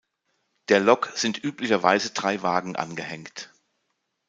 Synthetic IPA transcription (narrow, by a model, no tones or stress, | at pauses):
d̥eːɐlɔkz̥ɪntʔyːplɪçɐvaɪzədʁaɪvaːɡŋ̩ʔa̰nɡəhɛŋkt